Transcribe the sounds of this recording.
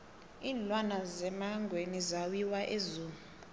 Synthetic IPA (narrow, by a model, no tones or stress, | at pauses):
iːnlwanazɛmaŋɡʱwenizawiwaʔezuːmuu